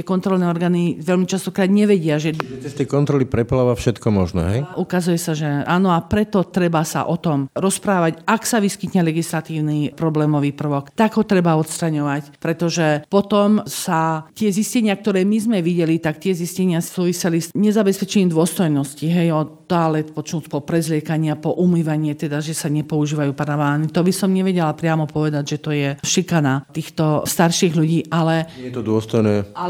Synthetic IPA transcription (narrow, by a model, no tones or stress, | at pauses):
ɛkɔnt̪ɾɔlnɛːɔɾɡaːniʋɛlmit͡ʃast̪ɔkɾaːd̪ɲɛʋɛɟɪaʒɛɛst̪ɛjkɔnt̪ɾɔlipɾɛplaʋafʃɛt̪kɔmɔ̰ʒnɔ̰ɦɛjʔukazujɛsaʒɛaːnɔapɾɛt̪ɔt̪ɾɛbasa̰ʔɔt̪ɔmɾɔspɾaːʋacaksaʋiskit̪ɲɛlɛɡislat̪iːʊnipɾɔblɛːmɔʋiːpr̩ʋɔkt̪aɡɦɔt̪ɾɛbaɔt̪st̪ɾaɲɔʋacpɾɛt̪ɔʒɛpɔt̪ɔmsat̪ɪɛziscɛɲɪak̚t̪ɔɾɛːmizmɛʋiɟɛlit̪akt̪ɪɛziscɛɲɪasuːʋisɛlisɲɛzabɛspɛt͡ʃɛɲiːmd̪ʊɔst̪ɔjnɔsciɦɛjɔt̪ːaaːlɛt̪pɔt͡ʃɔmuspɔpɾɛzlɪɛkaɲɪapɔʔumiːʋaɲɪɛt̪ɛd̪aʒɛsaɲɛpɔuʒiːʋajuːpaɾaʋaːnit̪ɔbisɔmɲɛʋɛɟɛlapɾɪamɔpɔʋɛd̪aɟʒɛt̪ɔjɛʃikanat̪iːxt̪ɔst̪aɾʃiːɣʎuɟiːʔalɛɛt̪ɔd̪ʊɔst̪ɔjnɛːa